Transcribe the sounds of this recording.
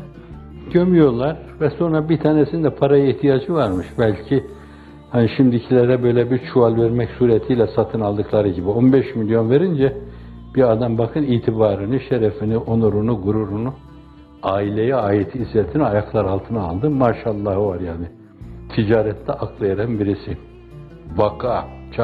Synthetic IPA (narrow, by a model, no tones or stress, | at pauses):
ɟømyjo̞lˠaɾ̥ | vɛso̞nɾabit̪ʰaːnesind̪ɛpʰaɾajaiht̪ʰijad͡ʒɯvaɾmɯʃbælʲcʰi | haniʃimd̪icʰilʲɛɾɛbø̞jlʲɛbiɾt͡ʃʰuvalʲvɛɾmɛcsuːɾɛt̪ʰijlʲɛsat̪ʰɯnalˠd̪ɯklˠaɾɯɟibio̞nbɛʃmilʲjo̞nveɾind͡ʒɛ | b̥iad̪ambakʰɯniːt̪ʰibaːɾɯniʃeɾɛfiniʔo̞nuɾunuɡuɾuɾunu | aːilʲejɛaːjet̪ʰiːzlʲet̪ʰiniajaklˠaɾalˠt̪ʰɯnaːlˠd̪ɯmaːʃaːlˠːahvaɾjaːni | t̪ʰid͡ʒaːɾɛt̪ʰlʲɛʔakʰlˠajaɾanbiɾisi | vakʰat͡ʃʰ